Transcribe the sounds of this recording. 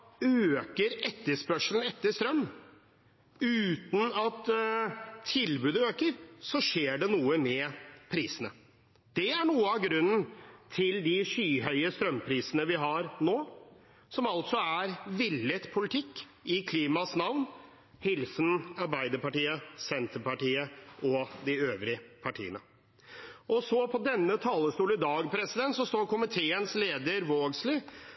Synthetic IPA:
øːkəɾɛt̪ːəspœʂln̩ɛt̪ːəst̪ɾœmː | ʉːt̪n̩ɑt̪ʰː | ɪlbʉːd̪əøːkəɾsɔʂeːɖɛnuːəmɛpʰɾiːsənə | d̪̥ɛæɳuːəɑɡɾʉnːnt̪ʰɪld̪ɪʂyːɦœʏəst̪ɾœmpʰɾiːsənəʋɪɦɑɾnoː | sɔmɑlt̪sɔæɾʋɪlːət̪pʰʊlɪt̪ʰɪkː | ɪkʰliːmɑsnɑʋn | hɪlsnɑɾbæɪd̪əɾpɑʈiːəsɛnt̪ʰəɾpɑʈiːəɔd̪ɪøːʋɾɪəpʰɑʈʰḭːə̰nə̰ | ʔɔsɔpʰɔd̪ɛnːət̪ʰɑːləst̪uːləd̪ɑːɡpʰɾɛsɪd̪ɛnt̪sɔst̪oːɾkʰʊmɪt̪ʰeːənsleːd̪əɾʋoːɡslɪ

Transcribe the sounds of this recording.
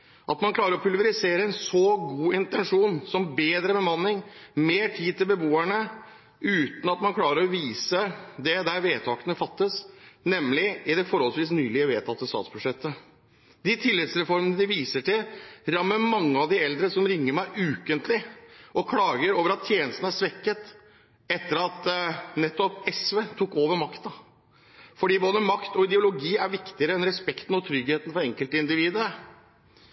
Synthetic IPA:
ʔɑt̪mɑnkʰlɑːɾəɾɔpʰʉlʋəɾɪseːɾəɛnsɔɡuːɪnt̪ɛnʂuːnsɔmbeːd̪ɾəbəmɑnːɪŋmeːʈʰiːd̪̚t̪ɪlbəbuːæɳə | ʉːt̪n̩ɑt̪mɑnkʰlɑːɾəɾɔʋiːsəd̪ɛd̪æɾʋeːt̪ʰɑːkənəfɑt̪ːəsnɛmːlɪɪd̪ɛfɔɾhɔlsʋiːsnyːlɪəʋeːt̪ʰɑt̪ːəst̪ɑ̰ːt̪sb̥ʉʂɛt̪ʰːə | d̪ɪt̪ʰɪlːɪd̪sɾɛfɔɾmənəd̪ɪʋiːsəʈɪlɾɑmːəmɑŋːəɑʋd̪ɪɛld̪ɾəsɔmɾɪŋːəɾmæɪʔʉːkənt̪lɪʔɔkʰlɑːɡəɾoːʋəɾɑt̪ʰːjeːnəst̪n̩æʂʋɛkːət̪ | ɛt̪ːəɾɑt̪nɛt̪ːɔpɛsʋeːt̪ʰukːoːʋəɾmɑkt̪ɑ | fɔɖiːboːd̪əmɑkt̪ɔɪd̪ɛʊlʊɡiːæɾʋɪkt̪ɪəɾəɛnɾɛspɛkt̪n̩ɔt̪ʰɾʏɡheːt̪ənfɾɔɾɛŋkəlt̪əɪnd̪ɪʋiːd̪əɾ

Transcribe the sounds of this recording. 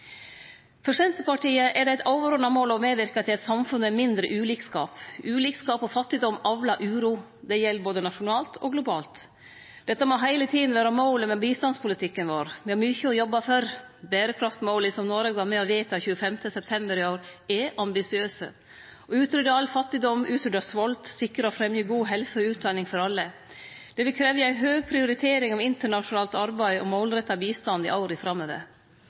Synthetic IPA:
fœʂɛnt̪əpɑʈiːəʔɛɖɛæɪt̪ɑʊʋəɾɔnɑmoːlɔmeːʋɪɾkɑt̪ʰɪlɛt̪sɑmfʉnːəɛmɪnd̪ɾəʔʉːliːkskɑːpʉːliːkskɑːpɔfɑt̪ːɪd̪ɔmɑʋlɑʔʉːɾuː | d̪ɛjɛlːboːd̪ənɑʂʊnɑːlt̪ʰɔɡlʊbɑːlt̪ | d̪̥ɛt̪ːɑmɔɦæɪlət̪ʰiːd̪n̩ʋæːɾɑmɑʊləmɛbiːst̪ɑnspʰʊlɪt̪ʰɪkːənʋoːɾʋɪhɑɾmʏçəɔjɔbːɑfœɾbæːɾəkʰɾɑft̪moːlɪsɔmnoːɾəɡʋɑɾmɛɔʋeɪt̪ɑçʉːəfɛmt̪əsɛp̚t̪ʰɛmbəɾɪoːɾɛʔɑmbɪsɪøːsə̰ | ɔʉːt̪ɾʏd̪əɾɑlfɑt̪ːɪd̪ɔmʔʉːt̪ʰɾʏd̪əsʋɔlt̪sɪkːəɾəɔfɾɛmjyɡuːɦɛlsəɔʉːt̪̚d̪ɑːnɪŋfɔɾɑlːə | d̪̥ɛʋɪlkʰɾeːʋəæɪɦøːɡ̚pʰɾɪʊɾɪt̪ʰeːɾɪŋɑʋɪnt̪əɳɑʂʊnɑːlt̪ɑɾbæɪɔmoʊlɾɛt̪ːɑbiːst̪ɑnd̪ɪ̰ʔoʊɾɪfɾɑmːøːʋə̰ɾ

